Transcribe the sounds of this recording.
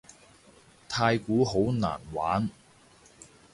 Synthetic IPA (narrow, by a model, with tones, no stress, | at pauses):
t̪ʰaː˧jkuː˨˥ɦo˨˥wna̰ː˨˩nwa̰ː˨˥n